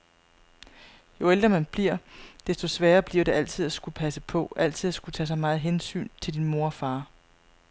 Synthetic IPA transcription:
jo̝eld̥ʁɐmænb̥liɐ̰d̥esd̥osʋæːɐb̥liɐ̰ɾ̥e̝ʔæl̰t͡sʰið̞̰ˠæsɡ̥upʰæsəpʰɒ̽ʔæl̰t͡sʰið̞̰ˠæsɡ̥ut͡sʰɛ̰ːsɑ̈ɪmɑ̈ːð̞̩ˠɦensy̰ːnt͡sʰe̝ld̥inmo̝ɐɒfɑ̈ː

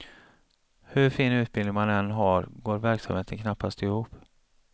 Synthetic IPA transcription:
hɵɾfiːnʉ̟ːt̪̚bɪlɪŋmanɛnɦaɾɡoːɾvæɾksamheːt̪ənkʰnapːast̪ɪhuːp

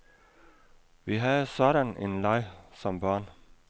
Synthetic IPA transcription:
ʋiɦæðsɒɾænḛnlɑɪsɒmbɑːn

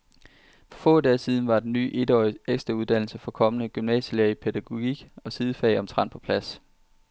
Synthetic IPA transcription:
fɒ̽fɔ̰̽ːd̥ɛːsið̞ˠn̩ʋɑ̈d̥enny̰ːʔe̝dɒeɡ̥sd̥ʁɑ̈uð̞ˠd̥æn̰l̩səfɒ̽kʰɒ̽mənəɡ̥ymnɛ̰ːsileɐipʰed̥æɡ̥o̝ɡ̥iɡ̥ɒ̽sið̞ˠfɛ̰ɪɒ̽mt͡sʰʁɑ̈n̰pʰɒ̥̽pʰlæs

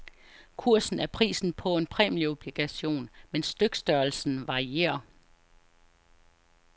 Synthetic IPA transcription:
kʰuɐ̰sn̩æɐpʰʁḭːsn̩pʰɒ̽e̝npʰʁɛ̰ːmlio̝b̥liɡ̥æɕo̝̰ːnmensd̥øɡ̥sd̥ɶɐlsn̩ʋɑ̈ʁie̝̰ːɐ

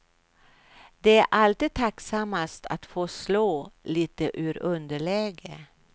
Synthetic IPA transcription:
d̪ɛæɾʔalt̪id̪̚t̪ʰaksamːast̪ʰat̪foːʂloːliːt̪əʔʉːɾɵnd̪əɭɛːɡə

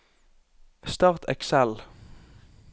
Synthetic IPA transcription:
st̪ɑːʁt̪ʰɛ̰ksɛl

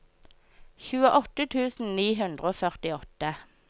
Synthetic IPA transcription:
çʉːəʔɔt̪ət̪ʰʉːsn̩niːɦʉnd̪ʁəoːfœʁt̪ɪɔt̪ə

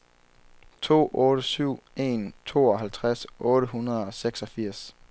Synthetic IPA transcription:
t͡sʰo̝̰ːʔɔ̽ːɾ̥əsyʊ̰e̝̰nt͡sʰo̝̰ːɒ̽ɦælt͡sʰʁasʔɔ̽ːɾəhunɐð̩ˠɒ̽seɡ̥sɒ̽fiɐ̰s

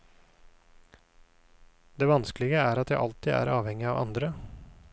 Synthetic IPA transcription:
d̪eːʋɑnsklɪɡəæːɾɑt̪jæɪʔɑlt̪iːæ̰ːɾɑːʋhɛŋɪɑːʋʔɑ̰nd̪ɾə

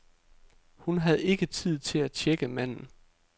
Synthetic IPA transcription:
hunɦæð̞̩ˠe̝ɡ̥ət͡sʰið̞̰ˠt͡sʰe̝læt͡ɕʰeɡ̥əmæn̰n̩

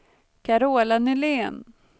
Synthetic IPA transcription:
kʰaɾoːlanɵleːn

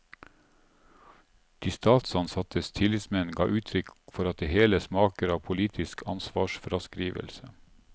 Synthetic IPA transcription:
d̪̥iːst̪ɑːt̪sɑnsɑt̪ʰəst̪ʰɪlɪd̪smɛnn̩ɡɑ̰ːʔʉːt̪ʰɾʏkfɔɾɑt̪̚d̪eːheːləsmɑːkəɾɑːʋpʰʊliːt̪ʰɪskʰɑ̰nsʋɑːʃfɾɑskɾiːʋə̰lsə

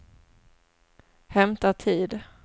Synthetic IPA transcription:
hɛmt̪at̪ʰiːd̪

